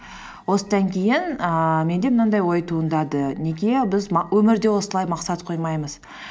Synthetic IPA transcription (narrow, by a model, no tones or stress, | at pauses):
wo̞səd̪ɑŋkʲʰejɪnəme̞nd̪emənɑnd̪ɑjwo̞jt̪ʰuənd̪ɑd̪ənekʲebɪzwɵmɪɾd̪e̞wo̞səlˠɑjmɑqsɑt̪qʰo̞jmɑjməz̥